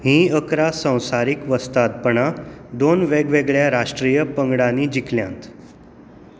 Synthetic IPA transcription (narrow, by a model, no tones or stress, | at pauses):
ɦĩːəkɾasə̃w̃saɾikʋəst̪at̪̚pəɳad̪onʋeɡʋeɡɭjaɾaʂʈɾijəpəŋɡɽaniːd͡ʑikʰljã̰nt̪